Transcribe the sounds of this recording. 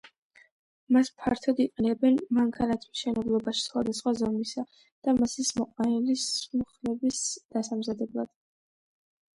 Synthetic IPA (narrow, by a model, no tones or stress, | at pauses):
maspʰaɾt̪ʰɔd̪iqʼɛnɛbɛnmaŋkʰanat̪ʰi̥mʃɛnɛblˠɔbaʃi̥sχwad̪asχwazɔmisa | d̪̥amasismɔqʼanɛlismχlɛbisd̪̥asamzad̪ɛblˠad̪̥